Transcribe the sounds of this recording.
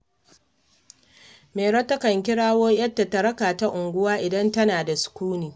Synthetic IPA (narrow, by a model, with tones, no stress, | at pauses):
meː˨ɽɐ˦tːɐ˦kɐ˨ŋk̬ʲɪ˦ɽaː˦woː˦jɐ˦dːa˨tɐ˨ɾɐ˦kaː˨ta˦ʔʊ˨ŋɡʷʊ˦waː˦ʔɪ˨dɐ˦ntɐ˦naː˨da˨sʊ̥˨kʷuː˦niː˨